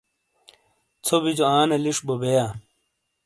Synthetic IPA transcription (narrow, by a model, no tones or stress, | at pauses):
t͡sʰobid͡ʑoaːnɐliʂbobejaː